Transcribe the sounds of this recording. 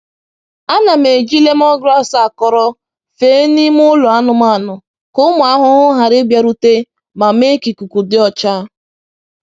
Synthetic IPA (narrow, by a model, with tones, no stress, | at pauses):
a˦na˨me˨d͡ʒi˦le˦m˦ɔ˦ɡɾa˦sa˦˨kɔ˨ɾɔ˦ | feː˦ni˦m˦ʊ˦lʊ˨a˦nʊ˨ma˦˨nʊ˨ | kʊ˦mʊ˨a˦ɦʊ˦ʊ˦ɦa˨ɾɪ˦bja˨ɾu˦te˦ | ma˨me˦ki˨ku˨ku˨dɪ˦ɔ˨t͡ʃa˦